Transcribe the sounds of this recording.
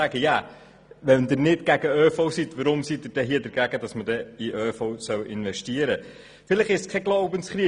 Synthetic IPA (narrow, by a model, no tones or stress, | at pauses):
æɡəjæ | ʋɛnd̪ɪɾnɪtɡ̥æɡ̥əøːfowsit̪ʋəɾʊmsit̚ɪɾd̥ɛɦiədəɾɡæɡ̥əd̥ɑsmədɛiʔøːfoʊsœwʔɪnʋɛʃtiəɾə | fɪləχɪʃskʰɛɡlowbənsχɾiː